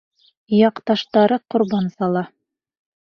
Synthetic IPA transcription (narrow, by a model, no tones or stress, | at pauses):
jɑqt̪ɑʃt̪ɑɾɤqŏɾbɑnsɑlˠɑ